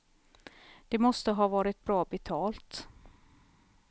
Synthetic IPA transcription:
d̪̥ɛmɔst̪əɦɑːvɑːɾɪt̪̚bɾɑːbɛt̪ʰɑːlt̪

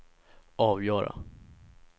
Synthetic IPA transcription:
ɑːvjœːɾa̰

